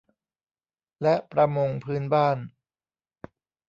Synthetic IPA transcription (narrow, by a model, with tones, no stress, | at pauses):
lɛ˦˥ʔpɾa˧mo˧ŋpʰɯː˦˥nbaː˥˩n